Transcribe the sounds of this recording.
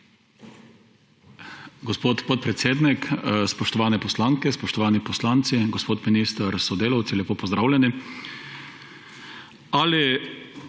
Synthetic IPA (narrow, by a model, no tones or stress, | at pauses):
ɡɔspoːt̪pɔt̪̚pɾɛt̪seːd̪nikspɔʃt̪ɔʋaːnɛpɔslaːŋkɛspɔʃt̪ɔʋaːnipɔslaːnt̪siɡɔspoːt̪minist̪aɾsɔd̪eːlawt̪silʲjɛpoːpɔzd̪ɾaːʊwlʲɛni | ali